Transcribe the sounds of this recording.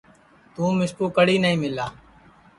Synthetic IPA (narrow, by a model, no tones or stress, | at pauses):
t̪ũːmɪskuːkəɽiːnəɦĩːmɪlaː